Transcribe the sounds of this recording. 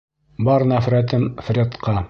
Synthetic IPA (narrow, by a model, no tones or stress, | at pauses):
bɑɾnæfɾæt̪ɘmfrʲet̪qɑ